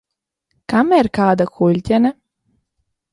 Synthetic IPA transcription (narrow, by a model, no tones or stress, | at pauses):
kamiɾkaːd̪akʰulʲt̪ʲɛna